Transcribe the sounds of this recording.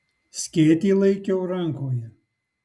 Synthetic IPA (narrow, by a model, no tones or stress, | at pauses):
sʲkʲeːt̪ʲiːlˠɐɪkʲɛʊɾɐŋkoːjɛ